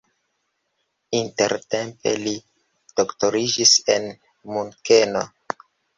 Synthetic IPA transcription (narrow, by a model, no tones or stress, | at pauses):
inte̞ɾte̞mpe̞̰li | d̥okto̞ɾid͡ʒise̞n | muŋke̞no̞̰